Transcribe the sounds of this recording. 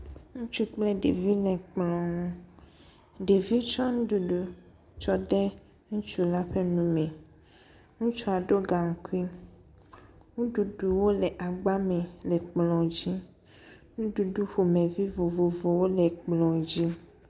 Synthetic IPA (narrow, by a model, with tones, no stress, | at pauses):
ŋũ˦t͡ʃu˦k͡plɛ˦ɖḛ˨vi˦lɛ̃˨k͡plɔ̃˨ŋũ˦ | ɖe˨vi˦t͡ʃɔ˦ŋũ˦ɖu˨ɖu˨ | t͡ʃɔ˦ɖɛ˦ | ŋũ˦t͡ʃu˦la˦ɸe˦nũ˦mɛ̃˨ | ŋũ˦t͡ʃɔ˦a˨ɖo˦ɡa˨ŋ̩˨ku˦i˦n | ŋũ˦ɖu˨ɖu˨wo˦le˨ʔa˨ɡ͡ba˦mɛ̃˨le˨k͡plɔ̃˨d͡ʑi˦ | ŋũ˦ɖu˨ɖu˦ɸo˨mẽ˨vi˦vo˨vo˨vo˨wo˦le˨k͡plɔ̃˨d͡ʑi˦